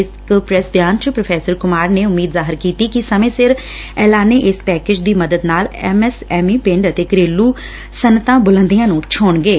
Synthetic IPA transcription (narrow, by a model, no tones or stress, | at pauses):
ɪskpɾɛsbjaːnt͡ʃəpɾəpʰɛːsəɾkʊmaːɾneːʊmːiːd̪zaːɦɪɾkiːt̪iːkɪsəmẽːsɪɾ | ɛːlaːneːʔɪspɛːkeːd͡ʒd̪iːməd̪əd̪naːlɛːmɛsɛːmiːpɪ̃ɳɖət̪eːkəɾeːlːuː | sənːət̪ãːbʊlə̃nd̪ijãːnũːt͡ʃʰoːɳɡeː